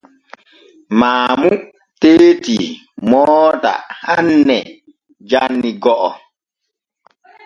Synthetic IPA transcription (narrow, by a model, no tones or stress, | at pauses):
maːmu | teːti | mɔːta̰hanːɛ | d͡ʒanːiɡɔʔɔ